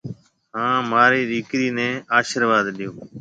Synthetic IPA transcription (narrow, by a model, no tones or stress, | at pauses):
ɦãːmaːɾiːɾiːkɾiːnɛ̃ːaːʃəɾʋaːd̪ɗɪjoː